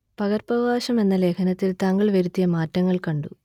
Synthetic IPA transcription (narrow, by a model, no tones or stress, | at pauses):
pɐɣɐrpɐʋaːɕɐme̞nːɐle̞ːkʰɐnɐt̪ːilt̪aːŋɡɐɭʋeɾut̪ːijɐmaːtːɐŋːɐɭkɐɳɖu